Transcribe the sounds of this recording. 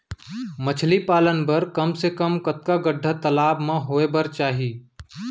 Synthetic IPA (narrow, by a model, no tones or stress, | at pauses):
mət͡ʃʰlipaːlənbəɾkəmsekəmkət̪̚kaɡəɖʱət̪əlaːbmãɦoːebəɾt͡ʃaːɦiː